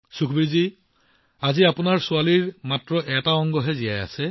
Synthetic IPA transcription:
sukʰbiɹzi | aziapʊnaɹsualiɹmatɹɔʔɛtaɔŋɡɔɦɛzijaja̰sɛ

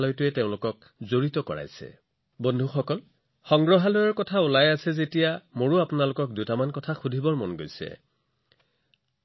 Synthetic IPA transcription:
lɔjtʊɛteʊ̃lʊkɔk̚ | zoɹitɔkɔ̰ɹa̰jsɛ̰ | bondʱuxɔkɔl | xɔŋɡɹɔɦalɔjɔɹkɔtʰaulajasɛzetijamoɹuapʊnalʊkɔk̚dutamankɔtʰaxudʱibɔɹmɔnɡojsɛ̰

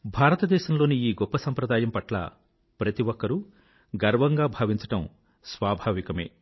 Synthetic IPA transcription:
bʱaːɾɐt̪ɐd̪ɛːʃɐmloːniiːɡɔpːɐsɐmpɾɐd̪aːjɐmpɐʈlɐ̰ | pɾɐt̪iʋɔkːɐɾu | ɡɐɾʋɐŋɡaːbʱaːʋiɲt͡ʃɐ̥ʈɐm | sʋaːbʱaːʋikɐme̞̰ː

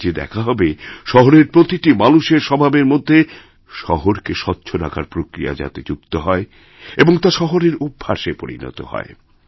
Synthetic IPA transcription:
d͡ʑed̪ɛ̰kʰaɦɔbeʃɔɦoɾeɾpɾot̪iʈimanuʃeɾʃɔbʱabeɾmod̪ʱːe | ʃɔɦoɾkeʃɔtːɕʰoɾa̰kʰaɾpɾokɾija̰d͡ʑa̰t̪ed͡ʑukt̪oɦɔe | eboŋt̪aʃɔɦoɾeɾubʱːaʃepoɾḭnɔ̰t̪o̰hɔ̰e

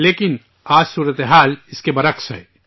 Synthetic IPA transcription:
leːkɪn | aːd͡ʒsuːɾət̪eɦaːlɪskebɐɾəkʃɦɛ̰ː

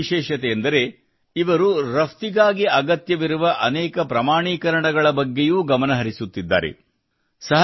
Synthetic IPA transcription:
ʃɛːʃɐt̪ɛjɐnd̪ɐɾe̞ | iʋɐɾuɾɐft̪iɡaːɡiɐɡɐt̪jɐʋiɾuʋɐʔɐnɛːkɐpɾɐmaːɳiːkɐɾɐɳɐɡɐɭɐbɐɡːe̞juːɡɐmɐnɐɦɐɾisut̪ːid̪ːa̰ːɾḛ | sɐɦ

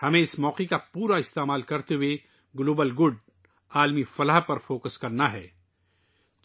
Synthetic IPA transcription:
hɐmẽɪsmɔːqekapuːɾaɪst̪eːmaːlkɐɾt̪ewe | ɡloːbəlɡʊɖ | aːlmifɐləɦpɐɾfoːkəskɐɾnaɦɛː

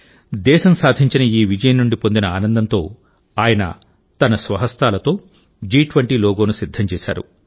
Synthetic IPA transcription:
d̪ɛːʃɐmsaːd̪ʱiɲt͡ʃinɐiːʋid͡ʒɐjɐnːuɳɖipo̞nd̪inɐaːnɐnd̪ɐnt̪o̞ː | aːjɐnɐ̰ | t̪ɐnɐsʋɐɦɐst̪aːlɐt̪o̞ː | d͡ʒiːʈʋɐɳʈiːloːɡo̞ːnusid̪ʱːɐmt͡ʃɛːʃa̰ːɾṵ

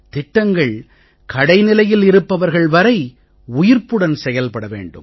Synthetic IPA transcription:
t̪ɪʈːɐŋɡɐɭ | kʰɐɽɐɪnɪlɐjɪlɪɾɯpːɐʋɐɾɣɐɭʋɐɾɐɪ | ʊjɪɾpɯɽɐnsɛjɐlpɐɽɐʋḛːɳɖɯ̰m

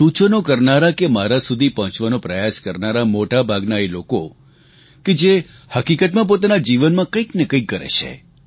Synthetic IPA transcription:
sũt͡ʃənokəɾnaɾakemaɾasud̪ʱipəɦɔ̃t͡ʃʋanõpɾəjaskəɾnaɾamoʈabʱaɡnaeloko | ked͡ʒe | həkikət̪mãp̬ot̪anad͡ʒiʋənmãkəiknekə̃ikːəɾḛt͡ʃʰḛ

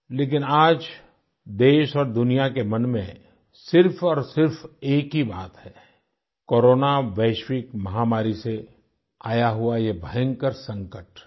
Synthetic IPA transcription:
leːk̬ɪnaːd͡ʒ | d̪eːʃɔːɾd̪ʊnijakemɐnmẽ | sɪɾfɔːɾsɪɾfeːkɦibaːt̪hɛː | koːɾoːnaʋɛːʃwɪkmɐɦaːmaːɾise | aːjaɦuajebʱəjə̃ŋɡkəɾsɐ̃ŋkəʈ

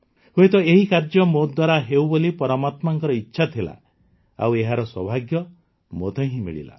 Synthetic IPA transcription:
huet̪ɔeɦikaɾd͡ʒɔmod̪waɾaɦewbolipɔɾɔmat̪maŋkɔɾɔitːʃʰat̪ʰila̰ | a̰weɦaɾɔswɔbʱaɡjɔ | mot̪ʰɔ̃ɦĩmḭɭḭla̰

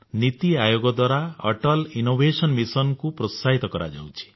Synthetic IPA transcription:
nit̪iajoɡɔd̪waɾaɔ̰ʈɔlinobʱesɔnmisɔnkupɾɔsaɦit̪ɔkɔɾa̰d͡ʒa̰wt͡ʃʰi̥

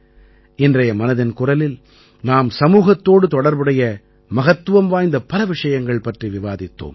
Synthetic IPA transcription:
ɪndrɐjɐmɐnɐðɪnkʊrɐlɪl | naːmsɐmuːɣɐt̪ːoːɽɯt̪ɔɽɐɾbɯɽɐjɐ | mɐɣɐt̪ːɯʋɐmʋaːjnd̪ɐpɐlɐʋɪʂɐjɐŋɡɐɭpɐʈriʋɪʋaːðɪt̪ːo̰ːm

